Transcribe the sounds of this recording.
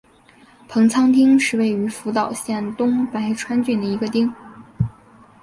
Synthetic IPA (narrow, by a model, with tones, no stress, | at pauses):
pʰɤ˧˥ŋt͡sʰɑ˥ŋt̪ʰi˥ŋʂɻ̩˥˧we˥˩ɪy˧˥fu˧˥t̪ɑ˨˩ʊɕjɛ˥˩nt̪ʊ˥ŋpa˧˥ɪʈ͡ʂʰwa˥nt͡ɕy˥˩nd̪ə˩i˧˥ɡə˧t̪i˥ŋ